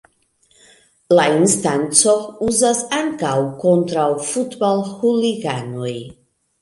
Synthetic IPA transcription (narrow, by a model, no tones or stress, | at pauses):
lainst̪ant͡souzasaŋkawkont̪ɾawfut̪balhuliɡanoj